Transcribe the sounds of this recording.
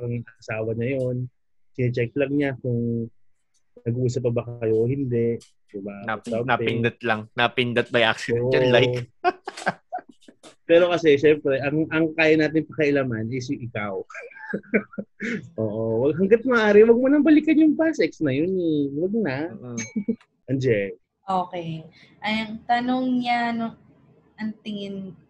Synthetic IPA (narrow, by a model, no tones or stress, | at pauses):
aɾɐŋɐʔɐsaːwɐɲɐjo̞n | sɪnɪt͡ʃɛk̚lɐŋɲakʊŋ | ɐɡʔuːsɐp̬̚ːɐbɐkkɐjo̞ʔohɪnd̪ɛʔ | dɪbasaaɪnd̪at̪̚lɐŋnapɪnd̪ɐt̪̚bɐjʔa̰ksɪd̪ɛɐlːaj | pɛːɾo̞kɐsɛʃɛmpɾɛʔɐŋʔɐŋkaːjɐnaːt̪ɪŋpɐkɐʔɪlaːmɐnʔɛsjʊŋʔɪkaw | ʔoːʔowɐɡɦɐŋɡat̪̚mɐʔaːɾɪwɐɡ̚monɐmbɐlɪkɐnjʊŋbasɛksnɐjonɛwɐɡ̚na | ʔɐnd͡ʒɛl | ʔoːkɛj | ʔɐjɐŋt̪ɐnoŋɲano | ɐnt̪ɪŋɪn